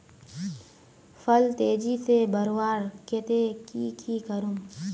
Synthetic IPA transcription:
fəlt̪eːd͡ʒisebəɾwaːɾkeːt̪ekiːkʰiːkəɾum

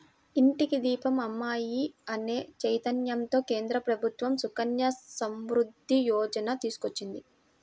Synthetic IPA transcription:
iɳʈikid̪iːpɐmɐmːaːjiɐne̞ːt͡ʃɐjt̪ɐnjɐmt̪o̞ːke̞ːnd̪ɾɐpɾɐbʱut̪ʋɐmsukɐnjɐsɐmʋɾud̪ʱːijɔːd͡ʒɐnɐt̪iːsu̥kot͡ʃːind̪i

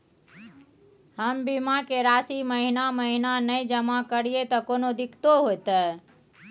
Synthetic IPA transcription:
həmbimakeɾasiməɦinaməɦinanəjd͡ʒəmakəɽijet̪ɔkonod̪ikʰt̪oɦojt̪ə

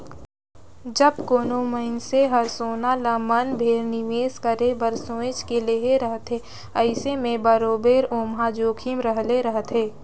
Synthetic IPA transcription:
d͡ʒɐbkoːnoməɪnseɦɐɾsoːnaləmənbʱeːɾnɪʋeːskəɾebəɾsõːɪt͡ʃkeleɦeɾəɦt̪ʰe | əɪsemẽbəɾoːbeːɾoːmɦad͡ʒoːkʰimɾəɦleɾəɦt̪ʰeː

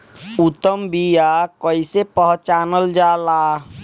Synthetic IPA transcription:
ʊt̪əmbijakəisepəɦt͡ʃaːnəld͡ʒaːlaː

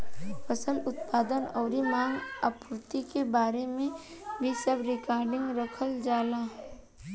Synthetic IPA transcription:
fəsəlʊt̪paːd̪ənɔːɾimãːŋɡa̰pʊɾt̪ikebaːɾemẽ | bʱisəbɾɪkaːɾɖɪ̃ŋɡɾəkʰəld͡ʒaːlaː

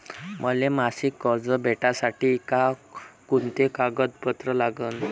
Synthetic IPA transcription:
məlemasikːəɾd͡zəbʱeʈasaʈiːkakunt̪ekaɡəd̪̚pət̪ɾəlaɡəːn

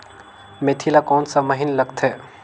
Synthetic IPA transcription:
meːt̪ʰilakɔːnsaməɦinlɐɡt̪ʰɦɛː

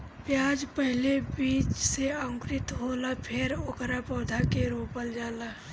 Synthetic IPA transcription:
pjaːd͡ʒpəɦlebiːt͡ʃseə̃ŋkɾɪt̪ɦoːlapʰeɾʊkɾapɔːd̪ʱakeɾoːpəld͡ʒaːlaː

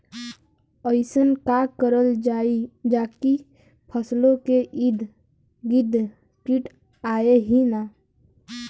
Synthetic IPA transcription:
əɪsənkakəɾəld͡ʒaːid͡ʒaːki | pʰəslõkeʔid̪ʱ | ɡid̪ʱ | kiʈ | aːeɦina

